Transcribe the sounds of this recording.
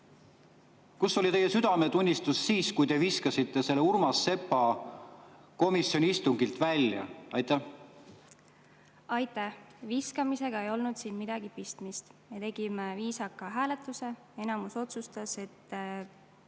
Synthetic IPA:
kusːo̞lʲit̪e̞jesyd̪ɑme̞t̪unʲːist̪usːiːskujt̪e̞viskɑsit̪ːe̞se̞lːeurmɑsːe̞pːˑɑ | ko̞misːionʲiist̪uŋɡ̥ilt̪vælʲjɑ̰ɑjt̪ːæ | ɑjt̪ːˑæhviskɑmise̞ɡ̥ɑe̞jo̞lnud̪̥siːnmid̪̥ɑɡ̥ipist̪mist̪me̞t̪e̞ɡ̥imeviːsɑkːɑɦæːle̞t̪ˑːuse̞ | e̞nɑmuso̞t̪sust̪ɑse̞t̪ː

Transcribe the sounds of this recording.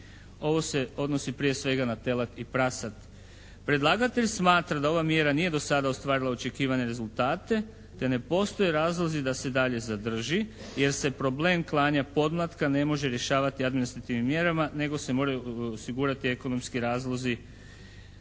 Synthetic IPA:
o̞ʋo̞se̞o̞d̪no̞sipɾije̞sʋe̞ɡanat̪e̞lat̪ipɾasat̪ | pɾe̞d̪lˠaːɡat̪e̞ʎsmaːt̪ɾad̪ao̞ʋamje̞ɾanije̞d̪o̞sad̪aost̪ʋaːɾilao̞t͡ʃe̞kiːʋaɲe̞ɾe̞zulˠt̪aːt̪e̞ | t̪e̞ne̞po̞st̪o̞je̞ɾaːzlˠo̞zid̪ase̞d̪aʎe̞zad̪r̩ʒi | je̞ɾse̞pɾo̞ble̞ːmklˠaːɲapo̞d̪mlˠat̪kane̞mo̞ʒe̞ɾje̞ʃaːʋat̪iad̪minist̪ɾat̪iʋnimːje̞ɾamane̞ɡo̞se̞mo̞ɾajuosiɡuːɾat̪ie̞ko̞no̞mskiɾaːzlˠo̞zi

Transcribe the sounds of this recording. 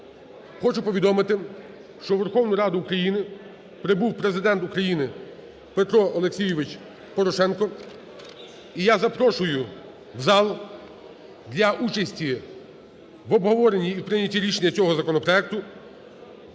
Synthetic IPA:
xɔt͡ʃʊpɔʋʲid̪ɔmɪt̪ɪ | ʃt͡ʃɔʋerxɔwnʊjɾɑd̪ʊːkɾɐjinɪ | pɾɪbuwpɾe̞zɪd̪ɛnt̪ukɾɐjinɪ | pet̪ɾɔɔlˠeksʲijɪʋɪt͡ʃ | pɔɾɔʃɛnkɔ | ijazɐpɾɔʃʊjʊ | wzɑlˠ | d̪ʲlʲɐʔut͡ʃɐsʲtʲi | ʋɔbɦɔʋɔɾe̞nʲːiːwpɾɪnʲɐtʲiɾʲiʃenʲːɐt͡sʲɔɦɔzɐkɔnɔpɾɔɛk̚t̪ʊ

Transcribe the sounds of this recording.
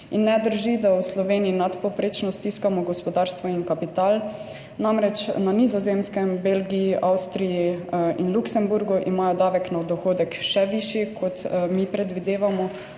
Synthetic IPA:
inːɛd̪əɾʒid̪awslɔʋeːniːnat̪pɔpɾeːt͡ʃnɔst̪iskamɔɡɔspɔd̪aːɾst̪ʋɔinkapit̪aːl | namɾɛt͡ʃnanizɔzemskɛmbelɡijiʔawst̪ɾijiinluksɛmbuɾɡuʔimaːjɔd̪aːʋɛknad̪ɔxoːd̪ɛkʃɛʋiʃjikʰɔt̪mipɾɛd̪ʋid̪eːʋamɔ

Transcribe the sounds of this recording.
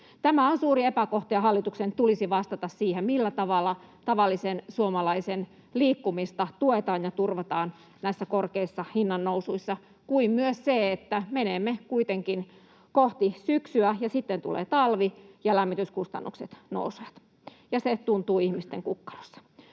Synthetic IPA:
t̪æmæonsuːriepækoht̪iɑhɑlːit̪uksent̪ulisiʋɑst̪ɑt̪ɑssiːhemmilːæt̪ɑʋɑlːˑɑt̪ɑʋɑlːisensuomɑlɑisen | liːkːumist̪ɑt̪uet̪ɑːnjɑt̪urʋɑt̪ɑːn | næisːækorkeisːɑhinːɑnːousuisːɑ | kuimmyøsseet̪ːæmeneːmːekuit̪eŋkin | koht̪isyksyæjɑsit̪ːent̪ṵlḛːt̪ɑlʋijɑlæmːit̪yskust̪ɑ̰nːukset̪no̰usoɑt̪ | jɑset̪unt̪uːihmist̪eŋkukːɑ̥ro̥sːɑ̥

